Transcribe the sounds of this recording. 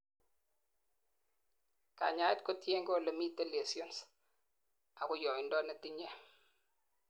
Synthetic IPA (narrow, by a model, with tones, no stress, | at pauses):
ka̰˨ɲa˨˦ɛ˦t̚ko˦tje˦ŋɡɔ˦˨le˨mi˦tːe˦le˨si˦ɔ˦ns | a˨kʊ˦jo˨mi˨ndɔ˦ne˨ti˦ɲe˦